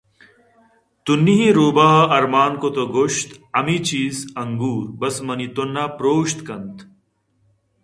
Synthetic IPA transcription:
t̪unːiɦĩɾoːbaːɦɐʔɐɾmaːnkot̪oɡoʃt̪ɐmit͡ɕiːzɐŋɡuːɾbɐsmɐnit̪onːaːpɾoːʃt̪kɐnt̪

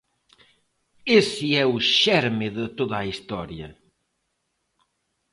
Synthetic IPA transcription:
esiɛuʃɛɾmɪðɪt̪oðaist̪ɔɾjɐ̰

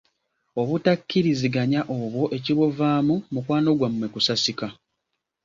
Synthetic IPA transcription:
o̞βutakːiɾiziɡaɲaʔoːβwo̞ʔe̞ciβovaːmumukwaːno̞ɡwamːwe̞kusasika

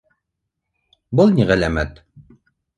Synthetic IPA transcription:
bɤlˠniʁælæmæt̪

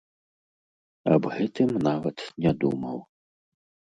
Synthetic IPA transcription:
ɐ̰bɣɛt̪ɨmnavɐt̪nʲɛd̪ṵmɐw

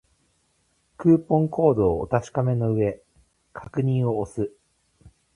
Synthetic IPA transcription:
kɯːpõ̞ŋkʰo̞ːd̪o̞ːo̰t̪aɕi̥kame̞no̞ɯ̟e̞ | kʰakɯ̟ɲ̟ĩɰ̃o̞ːsɨ

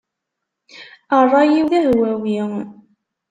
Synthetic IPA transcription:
ərˤːɑjiwðæhwæwiŋ

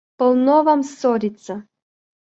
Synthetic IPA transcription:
pɔlˠnɔvamsɔɾʲit̪sa

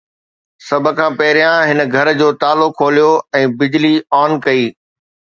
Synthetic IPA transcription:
sɐbʱə̆kʰãːpɐɦɪɾijãɦɪnɡʱɐɾd͡ʑoːt̪aːlokʰːoːlijoɛ̃ːbɪd͡ʑliaːnkɐiː

